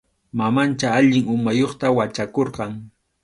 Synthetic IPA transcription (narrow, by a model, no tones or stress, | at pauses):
mamant͡ʃaaʎɪŋʊmajoχt̪awat͡ʃakoɾqɑŋ